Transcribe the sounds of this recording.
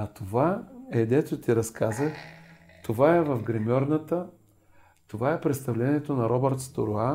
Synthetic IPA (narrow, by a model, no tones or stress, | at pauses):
ɐt̪ovaɛd̪ɛt̪ʊt̪iɾɐskazəx | t̪ovaɛvɐfɡɾɛmʲɔɾnət̪ə | t̪ovaɛpɾɛt̪st̪ɐvlɛniɛt̪onɐɾɔbɛɾt̪st̪o̰ɾoa